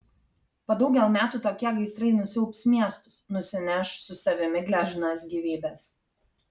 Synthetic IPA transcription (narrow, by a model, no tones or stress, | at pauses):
pɐd̪ɐʊɡʲɛlˠmʲæːt̪ut̪oːkʲɛɡɐɪsɾɐɪnʊsʲɪʊpʲsmʲiɛst̪ʊ̥snʊsʲɪnʲɛʃsʊsɐʋʲɪmʲɪɡlʲæːʒɪnɑːsɡʲiʋʲiːbʲæːs